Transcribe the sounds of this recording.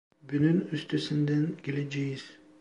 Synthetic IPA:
bynynyst̪ʰysind̪ænɡ̥ʲelʲed͡ʒejiz̥

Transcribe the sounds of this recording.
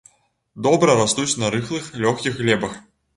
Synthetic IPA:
d̪ɔbɾɐɾast̪ut͡sʲnɐɾɨxlˠɨxlʲɔxkʲixɣlʲɛbɐx

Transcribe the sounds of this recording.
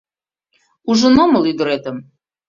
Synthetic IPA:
uʒənoməlyd̪əɾet̪əm

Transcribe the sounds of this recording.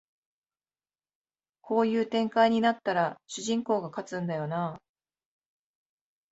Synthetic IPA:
kʰo̞ːjɯ̟ːt̪ẽ̞ŋkaiɲ̟inat̪ːaɾaɕɨʑĩŋko̞ːɡakat͡sɨ̃nd̪ajo̞naː

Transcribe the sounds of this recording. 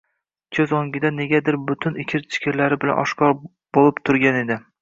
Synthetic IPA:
kʲʰɵzoŋʲɪd̪ane̞ɡʲad̪ɪɾbʊt̪ʰʊnɪkʲʰɪɾt͡ʃʰɪ̥kʲʰɪɾlaɾɪbɪla̰nɒ̰ʃkʰɒɾ | b̥olˠɪpt̪ʰʊɾɡʲane̞d̪ɪ

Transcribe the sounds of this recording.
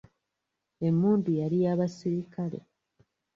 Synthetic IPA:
e̞mːuːndujaɾijaβasiɾikale̞̰

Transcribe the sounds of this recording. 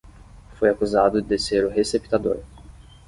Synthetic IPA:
fojakuzad̪ʊd̪eseɾʊɦesepi̥t̪ad̪o̰ɾ

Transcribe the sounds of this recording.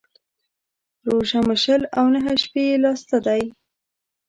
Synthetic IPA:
ɾoʒaməʃəlawnəɦəʃpelɑst̪ad̪aj

